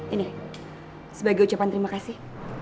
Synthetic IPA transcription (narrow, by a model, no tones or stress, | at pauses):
ini | səbaɡiut͡ʃapant̪əɾimakasih